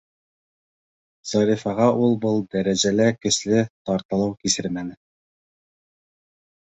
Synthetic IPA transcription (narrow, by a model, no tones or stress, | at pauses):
z̥ɑɾifɑʁɑʔulˠbɤlˠd̪æɾæʑælækɘ̆ʃlɘt̪ɒɾt̪ɤ̆lˠɤwkisɘɾmænɘ